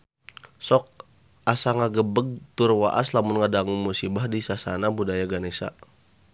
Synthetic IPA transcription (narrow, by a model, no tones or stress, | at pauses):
sɔk̚ | asaŋaɡəbəɡ̚t̪urwaʔa̰slamʊnŋadaŋumusibahdisasanabudajaɡanesa̰